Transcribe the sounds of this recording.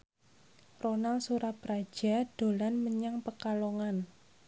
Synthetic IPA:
ronalsuɾapɾḁʒ̥a̤d̥o̤lanməɲaŋpəkaloŋan

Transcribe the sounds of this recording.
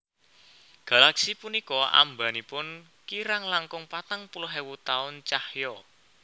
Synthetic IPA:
ɡ̥a̤laksipunikɔa̰mbanipʊn | kiɾaŋlaŋkʊŋpat̪aŋpuluɦewut̪aʊnt͡ʃahjɔ

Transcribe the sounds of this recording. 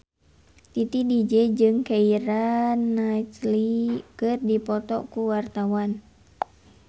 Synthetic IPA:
t̪it̪idid͡ʒɛd͡ʒɨŋkaiɾanːajt͡ʃlikɨrdipɔt̪ɔkuwart̪awan

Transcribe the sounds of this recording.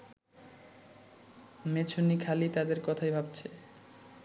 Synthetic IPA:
met͡ɕʰonikʰalit̪ad̪eɾkɔt̪ʰajbʱab̚t͡ɕʰe

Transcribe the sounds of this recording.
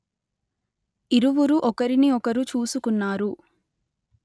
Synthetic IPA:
iɾuʋuɾuʔɔkɐɾiniɔkɐɾut͡ʃuːsukunːaːɾu

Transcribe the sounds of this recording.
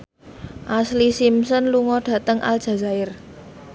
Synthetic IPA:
ʔaslisimsɔnluŋɔɖ̥ä̤t̪əŋʔa̰l̥ʒ̥a̤za̤ɪr

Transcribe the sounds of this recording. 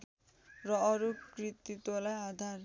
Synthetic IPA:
ɾɔɾukɾit̪ːit̪olaad̪ʱaɾ

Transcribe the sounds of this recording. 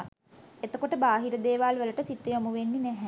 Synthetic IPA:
et̪əkoʈəbaːɦiɾəd̪eːʋaːlʋələʈəsit̪ːejomuʋenːinæɦæ

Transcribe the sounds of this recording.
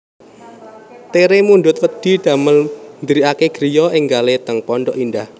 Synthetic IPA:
t̪eɾemunɖʊt̪̚wəd̪̥i̤d̪̥a̤məlnd̪ɾiakeɡ̥ɾijɔʔɪŋɡalet̪əŋpɔɳɖɔʔindah

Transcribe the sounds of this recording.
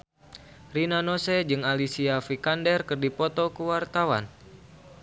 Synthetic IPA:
rinanosɛd͡ʒɨŋalisiafikandɛrkɨrdipɔt̪ɔkuwart̪awa̰n

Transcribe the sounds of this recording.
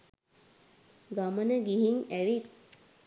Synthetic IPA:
ɡamənəɡiɦiŋæʋit̪̚

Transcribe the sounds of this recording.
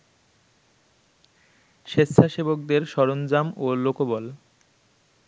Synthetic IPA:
ʃest̪ʰaʃebokd̪eɾʃɔɾond͡ʑamolokobɔl

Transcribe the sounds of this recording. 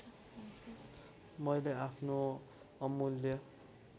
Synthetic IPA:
mʌjleapʰno | ʌmuljʌ

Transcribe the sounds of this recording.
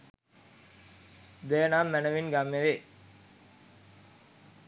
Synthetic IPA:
d̪ejənaːmːænəʋinɡamːeʋe

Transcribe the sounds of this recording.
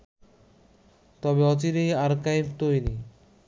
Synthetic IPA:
t̪ɔbeɔt͡ɕiɾejaɾkajpt̪ojni

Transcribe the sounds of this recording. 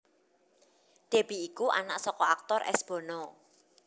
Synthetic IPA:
d̪̥e̤b̥iikuʔa̰na̰ʔsɔkɔak̚t̪ɔrɛ̰sb̥ɔ̤nɔ

